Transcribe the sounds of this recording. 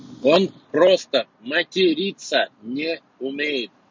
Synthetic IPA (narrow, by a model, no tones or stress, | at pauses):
onpɾost̪ə | mɐtʲɪɾʲit̪sənʲe | ʊmʲejɪt̪̚